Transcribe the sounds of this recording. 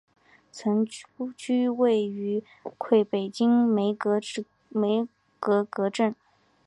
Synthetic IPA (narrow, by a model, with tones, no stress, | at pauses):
t͡sʰɤ˧˥ŋt͡ɕy˥we˥˩ɪy˧˥ | kʰwe˥˩ɪpe˨˩ɪt͡ɕi˥ŋme˧˥ɪk | me˧˥ɪ | kɤ˧˥kɤ˧˥ʈ͡ʂə˥˩n